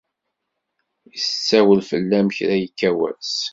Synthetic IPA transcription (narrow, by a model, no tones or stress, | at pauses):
jist͡sːæwəlfəlːæmçɾæjəkːæwæ̰s